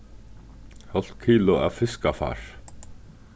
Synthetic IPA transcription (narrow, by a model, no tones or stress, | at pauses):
hɔl̥t̪kʰiːlʊa̰fɪskafa̰ːɹ̥